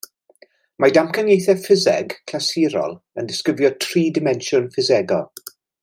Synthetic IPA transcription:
madamkʰənjejθɛfɪzɛ̰ɡkʰlasiɾɔ̰lˠ | əndɪskɪvjɔtʰriːdɪmɛnʃʊnfɪzɛɡɔ

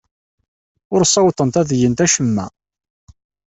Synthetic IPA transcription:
ʊɾsˤɑwt̪ˤənt̪æðjənt̪æʃəmːæ̰

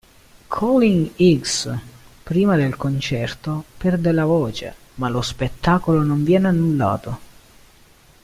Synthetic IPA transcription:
kʰɔliŋiɡs | pɾiːmad̪elkont͡ʃɛrt̪opɛrd̪elavoːt͡ʃḛ | malospet̪ːaːkolonoɱvjɛːneanːulːa̰ːt̪o

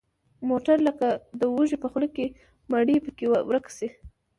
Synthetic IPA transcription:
moʈaɾləkad̪əwuʒepəxləkːe | maɽipəkewwɾəksi

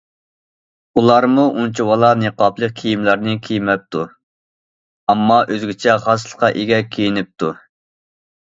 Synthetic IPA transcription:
ulˠɑɾmuʔunt͡ʃʰiwɑlˠɑneqɑplˠəq̚kʲʰijimlæɾnɪkʲʰijmɛp̚t̪ʰu | ɑmːɑʔøzɡʲɪt͡ʃʰɛχɑsəlˠə̥qʰɑʔeɡʲɛkʲʰejinɪp̚t̪ʰu

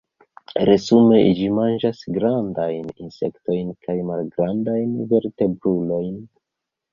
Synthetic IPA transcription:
ɾe̞zume̞id͡ʒimand͡ʒasɡɾandajninse̞̰kto̞jnkʰajmalɡɾandajnve̞ɾte̞bɾulo̞jn

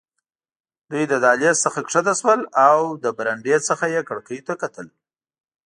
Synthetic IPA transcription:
d̪ujd̪əd̪ɑlesəxakʂad̪aswəlawd̪əbɾaɳɖet͡səxajekəɽkəjt̪akat̪əl

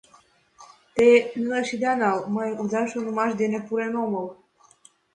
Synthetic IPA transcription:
t̪enɨnəʃid̪anawmajud̪aʃonumaʃd̪enepuɾenomol

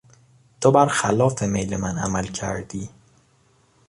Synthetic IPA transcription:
t̪ʰobæɾxælɒːfe̞mejlemænæ̰mælcʰæ̰ɾd̪̥iː

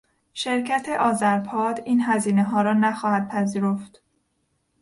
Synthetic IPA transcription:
ʃe̞ɾcʰæt̪ʰe̞ʔɒːzæɾpʰɒːd̪iːnɦæziːneɦɒːɾɒːnæxɒːhæd̪̥̚pʰæziːɾo̞ft̪

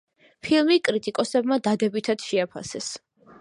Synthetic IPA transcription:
pʰilˠmikʼɾit̪ʼikʼɔsɛbmad̪ad̪ɛbit̪ʰad̪̥ʃɛapʰa̰sɛs

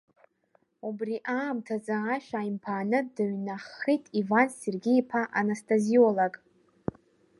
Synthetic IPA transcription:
ubriʔaːmtʰazaːʃᶣaimpʰaːnɨdaɥnaχitʼivanserɡʲiːpʰaʔanastʰʼaziolakʼ

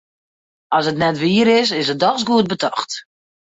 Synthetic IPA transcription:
ɔsətnɛtʋiːəɾɪsɪsət̚dɔxsɡuət̚bətʰɔxt

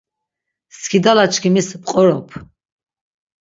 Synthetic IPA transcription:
skʰid̪alat͡ʃʰkʰimispqʼɔɾɔpʰ

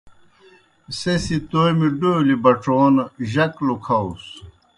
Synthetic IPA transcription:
sesit̪ojmiɖolibɐʈ͡ʂoːnʑɐklukʰɐus

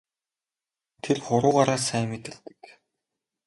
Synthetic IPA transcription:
t̪ʰerχʊɾʊːʁaːɾaːsæːmet̪ɘ̆ɮt̪ɘ̥̆k

